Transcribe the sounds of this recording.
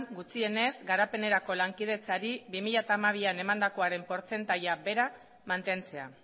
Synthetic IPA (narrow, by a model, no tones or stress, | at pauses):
ŋɡut͡sie̞ne̞zɡaɾape̞ne̞ɾako̞laŋkið̞e̞t͡saɾiβimiʎat̪aːmaβ̞iane̞mand̪ako̞aɾe̞mpo̞ɾt͡se̞nt̪ajabe̞ɾa | mant̪e̞nt͡se̞a̰